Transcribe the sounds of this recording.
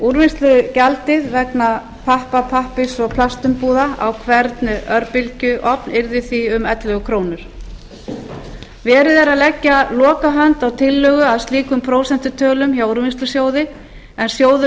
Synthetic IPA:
uɾvɪnst̪lʏcalt̪ɪðvɛkna | pʰahpapʰahpɪsɔɣpʰlast̪ʏmpuːðaa̰wkʰvɛɾt̪nʏʔœɾpɪlcʏʔɔpnɪɾðɪθiʏmɛt̪lœɣʏkʰɾoːwnʏɾ̥ | vɛːɾɪðɛɾaðlɛcːalɔːkaɦœnt̪awt̪ʰɪlːœːɣʏaðst̪liːkʏmpʰɾoːwsɛn̥t̪ʏt̪ʰœːlʏmçawuɾvɪnst̪lʏsjoːwðɪ | ɛnsjoːwðʏ

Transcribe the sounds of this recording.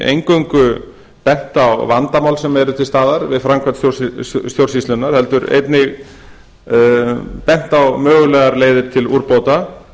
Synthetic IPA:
ḛjŋkœŋkʏ | pɛn̥t̪awvant̪amawlsɛmɛɾʏt̪ʰɪlst̪aːðaɾvɪðfɾaŋkʰvat̪sjosst̪jowɾ̥sist̪ɪnːaɾ̥hɛl̪t̪ʏɾḛjt̪nɪɣ | pɛn̥t̪awmœːɣʏlɛɣaɾleːjðɪɾt̪ʰɪluɾpoːwt̪a

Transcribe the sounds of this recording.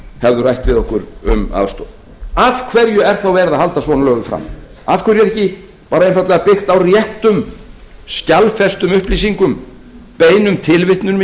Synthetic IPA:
hɛvðʏrajht̪vɪðɔhkʏɾʏ̰ma̰ð̥st̪owð | av̥kʰvɛɾjʏɛɾ̥θawvɛːɾɪðaðhal̪t̪asvɔnalœːɣʏfɾa̰m | afkʰvɛɾjɛðɛhcɪ | paːɾaejnfat̪lɛɣapɪxt̪awrjɛht̪ʏmscalfɛst̪ʏmʏhplisiŋkʏm | peːjnʏmt̪ʰɪlvɪht̪nʏnm

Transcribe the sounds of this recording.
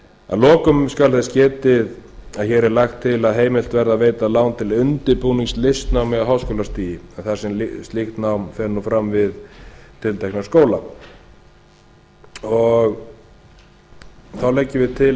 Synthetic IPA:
a̰ðlɔːkʏmskalθɛscɛːt̪ɪðaðçɛːɾɛɾlajxt̪ʰːɪlaðɦeːjmɪl̥t̪vɛɾðaveːjt̪alaːwnt̪ʰɪlʏnt̪ɪɾpuːniŋslɪst̪nawmɛðaɦaːwskowlast̪iːjɪaðθḁsɛmlst̪lixt̪nawmfɛɾnːufɾamvɪðt̪ʰɪlt̪ʰɛknaskoːwla | ɔɣ | θawlɛcːɪvɪðt̪ʰɪl

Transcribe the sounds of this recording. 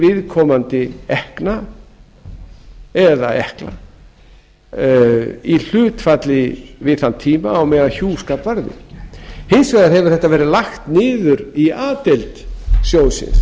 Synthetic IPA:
vɪðkʰɔmant̪ɪɛhkna | ɛða̰ɛhkla̰ | il̥ʏːt̪fat̪lɪvɪðθant̪ʰiːmaːwmɛːðaçuːskapvaɾðɪ̰hɪnsvaðaɾɦɛvʏɾ̥θɛht̪ːavɛːɾɪðlaxt̪nɪːðʏɾiaːt̪elt̪sjoːwsɪ̰ns

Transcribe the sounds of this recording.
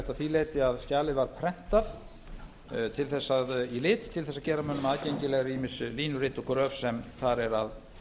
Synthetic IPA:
t̪aðθileːjt̪ɪaðscaːlɪðvaɾ̥pʰɾɛn̥t̪aθ | t̪ʰɪlθɛsːaðilɪːt̪t̪ʰːɪlθɛsːacɛːɾamœnːʏmaðcejɲcɪlɛɣaɾiːmɪnsʏliːnʏɾɪːt̪ɔkɾœvsɛmθaɾɛɾað

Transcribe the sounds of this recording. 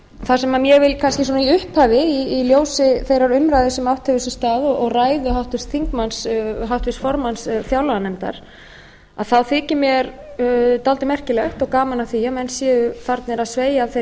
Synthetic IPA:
θasɛmamjɛɣvɪlkʰanscɪs̬ɔːnaiʏhphavɪiːljoːwsɪθejɾaɾʏmɾajðɪsɛmawht̪ʰɛvʏsɪst̪aːðɔɔɣraːjðʏɦawht̪vɪst̪θiŋkmansɦawht̪vɪst̪fɔɾmansθjawlaanɛmt̪a̰ɾ̥ | aðθawθɪːcɪmjɛɾt̪alt̪ɪmɛr̥cɪlɛht̪ɔɣkaːmanaθiamɛnsjɛːðʏθaɾt̪nɛɾaðsveːjaːvθe

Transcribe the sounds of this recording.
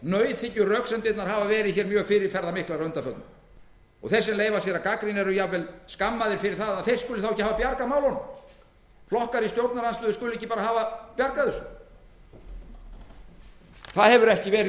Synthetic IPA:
nœːɥθhɪcːʏrœksɛmt̪ɪt̪naɾ̥haːvavɛːɾɪðçɛɾmjœːɣfɪɾɪɾ̥fɛɾðamɪhklaɾœnt̪afœt̪nʏm | ɔ̰ɣθɛrsːɛmleːjvasjɛɾakakɾɪnɛɾʏjavɛlskamːaðɪɾ̥fɪɾɪɾ̥θaðaðθejr̥skʏlɪθawɛçcːɪhavapjaɾkamaːwlhɔnm | flɔhkaɾist̪jowɾt̪naɾhanst̪ʏːðʏskʏːlʏɛçcːɪpaːɾahaːvapjaɾkaðʏs | θaðhɛvʏɾɛhcɪvɛːɾɪ

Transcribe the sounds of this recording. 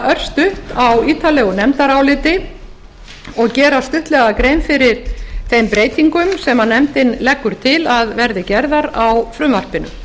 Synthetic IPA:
œr̥st̪ʏhtawiːt̪ʰalɛɣʏnɛmt̪aɾawlɪːt̪ɪ | ɔɣcɛːɾast̪ʏht̪lɛɣakɾeːjmfɪɾɪɾ̥θejmpɾeːjt̪iŋkʏmsɛmanːɛmt̪ɪnlɛkːʏɾ̥t̪ʰɪlaðvɛɾðɪcɛɾðaɾawfɾʏmvar̥pɪnʏ̰m

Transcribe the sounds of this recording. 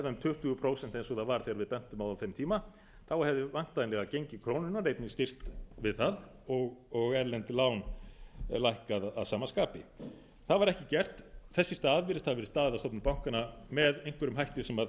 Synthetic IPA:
ɛðaʏmt̪ʰʏht̪ʏɣʏpʰɾoːwsɛn̥t̪ɛns̬ɔθaðvaɾθeːɣaɾvɪðpɛn̥t̪ʏmawðaθejmt̪ʰiːma | θawhɛvðɪvaŋ̥t̪aðnlɛɣacejɲcɪkʰɾownʏnarejt̪nɪst̪ɪr̥t̪vɪðθað | ɔɣɔɣɛɾlɛnt̪laːwn | lajhkaða̰ðsaːmaskaːpɪ | θaðvaɾɛhcɪcɛr̥t̪θɛsːɪst̪ːaːðvɪɾɪst̪havvɛɾɪst̪aːðɪðast̪ɔpnʏmpawŋ̥kanamɛðejŋ̥kvɛɾʏmɦajht̪ɪsɛmað

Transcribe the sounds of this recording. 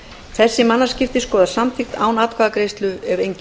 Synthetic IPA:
θɛsːɪmanːascɪft̪ɪskɔːðasamt̪ʰixt̪aːwnaːt̪kʰvaːðakɾejst̪lʏɛɾejɲc

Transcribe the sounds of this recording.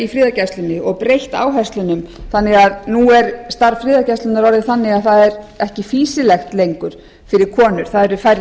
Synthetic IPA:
ifɾɪːðacast̪lɪnːɪɔɣpɾejht̪a̰ːwɦɛst̪lʏnʏmθanːɪɣaðnuɛɾst̪aɾfɾɪːðacast̪lʏnaɾɔɾðɪθanːɪɣaðθaðɛɾɛhcɪfiːsɪlɛxt̪lejŋkʏɾ̥ | fɪɾɪɾ̥kʰɔːnʏɾ̥θaðɛɾʏfaɾ

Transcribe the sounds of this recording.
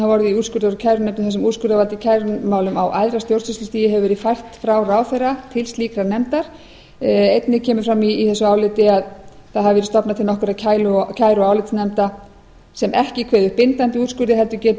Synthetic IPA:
avɔɾðɪiuːt̪skʏɾðaɾʏcʰajɾʏnɛmt̪ʏmθɛsɛmuːskʏɾðavalt̪ɪcʰajɾʏmaːwlʏmawʔajðɾast̪jowɾsʏst̪ʏst̪iːjɪɦɛvʏvɛːɾɪfajr̥t̪fɾawraːwθɛjrːat̪ʰɪlst̪liːkɾaɾnɛmt̪aɾ̥ | ejt̪nɪcʰɛːmʏɾfɾamːiːθɛsʏaːwlɪt̪ɪaðθaðhavɪvɛɾɪst̪ɔpnat̪ʰɪlnɔhkʏɾaðcʰaːjlʏcʰaːjɾʏaːwlɪt̪snɛmt̪a | sɛmʔɛhcɪkʰvɛːðʏhpɪnt̪ant̪ɪuːskʏɾðɪɦɛlt̪ʏcɛːt̪

